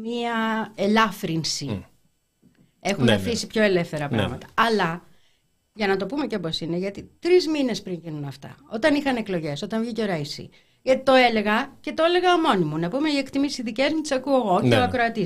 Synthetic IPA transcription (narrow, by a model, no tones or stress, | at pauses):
miɐelɐfɾinsi | e̞xunefisipço̞e̞le̞fθe̞ɾɐpɾɐ̰ɣmɐt̪ɐ̥ɐlɐ | ʝɐnɐt̪o̞pumeceoposineʝɐt̪it̪ɾizmine̞spɾiɲʝinunɐft̪ɐ̰o̞t̪ɐnixɐneklo̞ʝe̞so̞t̪ɐɱvʝiceoɾɐisḭ | ʝɐt̪i̥t̪o̞e̞le̞ɣɐce̞t̪oele̞ɣɐmo̞nimunɐpume̞iekt̪imisiðice̞zmut̪i̥sɐkueɣo̞eoɐkɾoɐt̪i